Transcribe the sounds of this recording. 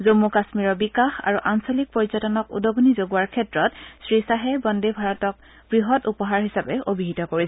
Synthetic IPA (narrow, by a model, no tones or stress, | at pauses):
zomːukasmiɹɔbikaxa̰ɹuʔansolik̚poɹizɔtɔnɔkṵdoɡunizoɡuaɹkʰɛtɹɔtsɹisaɦɛbɔndebʱaɹɔtɔk̚ | b̥ɹiɦɔtupɔɦaɹɦisapɛʔobiɦitɔkoɹisɛ